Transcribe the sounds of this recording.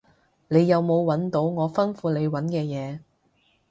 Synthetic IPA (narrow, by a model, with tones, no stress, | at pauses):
ne˨˧jːɐ˨˧wmo˨˧wwɐ˨˥nt̪o˨˥wŋɔː˨˧fɐ˥nfuː˨˧ne˨˧jwɐ˨˥nkɛː˧jɛː˨˧